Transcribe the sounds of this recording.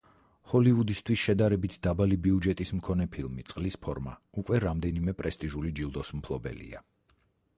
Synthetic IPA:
hɔlivud̪ist̪ʰwisʃɛd̪aɾɛbit̪ʰd̪̥abalibiud͡ʒɛt̪ʼismkʰɔnɛpʰilˠmit̪sʼqʼlispʰɔɾma̰ | ukʼwɛɾamd̪ɛnimɛpʼɾɛst̪ʼiʒulid͡ʒilˠd̪ɔsm̩pʰlˠɔbɛ̰lḭa̰

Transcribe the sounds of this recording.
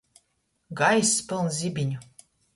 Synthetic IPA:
ɡɑjspɨlˠnzʲibʲinʲu

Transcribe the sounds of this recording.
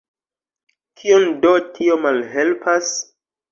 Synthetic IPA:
kʰiondotʰio̞malɦelpʰas

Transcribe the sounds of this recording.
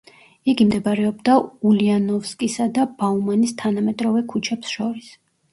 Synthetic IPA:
iɡimd̪ɛbɾɛɔbd̪aulianɔfskʼisad̪ab̥aumanist̪ʰanamɛt̪ʼɾɔvɛkʰut͡ʃʰɛpsʃɔɾis

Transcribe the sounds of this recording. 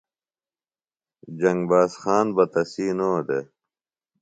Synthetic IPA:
d͡ʑɐŋɡbaːsxaːnbɐt̪ɐsiːnoːd̪e

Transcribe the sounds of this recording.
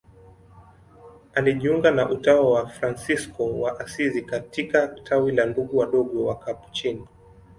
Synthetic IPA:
aliʄiuŋɡanaʔutawawafɾansiskɔwaʔasizikatikatʰawilanduɠuwaɗɔɠɔwakapu̥t͡ʃini

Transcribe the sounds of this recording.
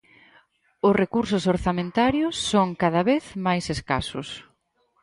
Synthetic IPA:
ʊsrekuɾsʊsoɾθamẽnt̪aɾjʊsːoŋkað̞aβeθmajseska̰sʊ̰s

